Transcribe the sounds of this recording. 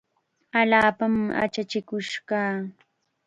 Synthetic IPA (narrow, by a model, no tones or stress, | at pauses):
aʎaːpama̰t͡ʃat͡ʃɪkʊʃɢaː